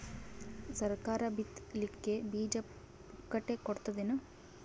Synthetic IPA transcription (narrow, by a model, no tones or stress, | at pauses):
sɐɾkaːɾɐbit̪likːebiːd͡ʒɐp | kːɐʈːekoɽt̪ɐd̪inu